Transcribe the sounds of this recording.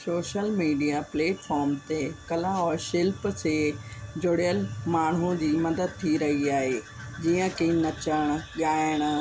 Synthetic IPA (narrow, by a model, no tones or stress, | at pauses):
soːʃəlmiːɖijapleːʈfʰɔːɾmt̪ekɐlaɔːɾʃɪlpsed͡ʑoɽjəlmaːɳ̤̃ũd͡ʑiːmɐd̪əd̪̚t̪ʰiɾɐɦiaːɦeː | d͡ʑiːə̃kinɐt͡ɕəɽ̃̆ɠaːɪɽ̃